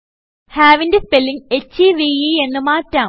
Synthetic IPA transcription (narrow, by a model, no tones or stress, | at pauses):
haːʋindespelːiŋet͡ɕiʋiie̞nːɨmaːtːaː